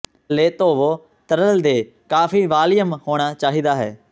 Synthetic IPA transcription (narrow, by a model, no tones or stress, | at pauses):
leːt̪oːʋoː | t̪əɾəld̪eː | kaːpʰiːʋaːlɪjəmhoːɽ̃aːt͡ʃaːɦiːd̪aːɦɛ̰ː